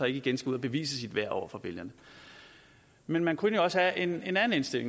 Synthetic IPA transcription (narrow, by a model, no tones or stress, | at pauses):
ɑ̈e̝ɡ̥əiɡ̥ensɡ̥uð̰ˠɐb̥e̝ʋḭːs̬əsid̥ʋæɐ̰ɒ̰ʊɐfɒʋe̝ljɐnə | menmænkʰunəjoɒ̽səhæʔe̝ne̝nænn̩e̝nsd̥e̝l̰e̝ŋ